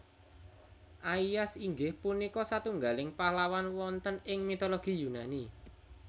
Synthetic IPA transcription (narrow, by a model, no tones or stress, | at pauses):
ʔaijasiŋɡɪhpunikɔsat̪uŋɡalɪŋpalawanwɔnt̪ənɪŋmit̪oloɡ̥i̤junani